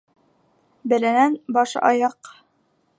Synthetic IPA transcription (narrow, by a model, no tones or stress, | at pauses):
bæ̆lænænbɑʃɑ̰jɑq